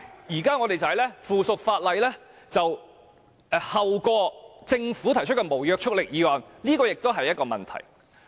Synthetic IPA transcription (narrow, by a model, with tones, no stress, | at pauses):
jiː˨˩kaː˥ŋɔ˨˧t̪e˨jt͡sɐ˨ɐ˨˩jlɛː˥fuː˨˩sʊ˨k̚faː˧t̚lɐ˨jlɛː˥ | t͡sɐ˨w | ɛ˨hɐ˨wkɔː˧t͡sɪ˧ŋfuː˨˥t̪ʰɐ˨˩jt͡ʃʰɵ˥t̚kɛː˧mo˨˩wjœː˧k̚t͡ʃʰʊ˥k̚lɪ˨k̚jiː˨˧waː˨˩nliː˥kɔː˧jɪ˨k̚t̪o˥ɦɐ˨jːɐ˥tkɔː˧mɐ̰˨˩nt̪ʰɐ̰˨˩j